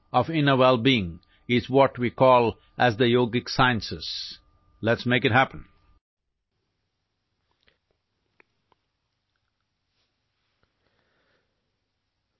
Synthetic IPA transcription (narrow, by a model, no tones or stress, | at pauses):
ɔfɪ̃nəwɛlˠbiɪ̃ŋ | ɪzwɔʈwikɔːlˠ | ʔæzd̪əjoːɡɪksaɪə̃nsɪs | lɛʈsmeɪkɨʈ̚ɦæpə̃n̩